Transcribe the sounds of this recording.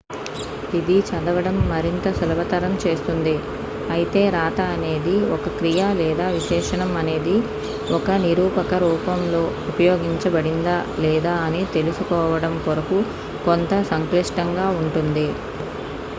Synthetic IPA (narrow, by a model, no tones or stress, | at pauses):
id̪it͡ʃɐd̪ɐʋɐɽɐmːɐɾint̪ɐsɐlɐʋɐt̪ɐɾɐmt͡ʃe̞ːst̪und̪i | ɐjit̪e̞ːɾaːt̪ɐːne̞ːd̪iɔkɐkɾijalɛːd̪aːʋiʃɛːʂɐɳɐmɐne̞ːd̪i | ɔkɐniɾuːpɐkɐɾuːpɐmlo̞ːupɐjo̞ːɡiɲt͡ʃɐbɐɽind̪alɛːd̪aːɐnit̪e̞lusukɔːʋɐɽɐmkoɾɐku | kont̪ɐsɐŋkliʂʈɐŋɡaːuɳʈund̪i